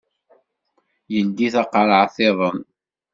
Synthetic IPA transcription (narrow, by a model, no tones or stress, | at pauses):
jənd̪iθɑqɾˤəʕθeðˤən